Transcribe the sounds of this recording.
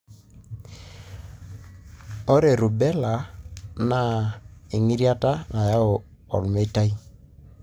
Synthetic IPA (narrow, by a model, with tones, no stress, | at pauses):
o˦ɾe˨ɾu˨bɛ˦la˨na˨e˨ŋi˦ɾja˦ta˦na˨ja˦o˨ | ɔ̰˨lme˦ta˦i˦